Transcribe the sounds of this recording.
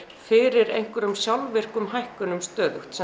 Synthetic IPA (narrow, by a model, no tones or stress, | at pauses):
fɪɾɪɾḛjŋ̥kʏɾʏmsjawlvɪr̥kʏmɦajhkʏnʏmst̪œːðʏht̪sɛ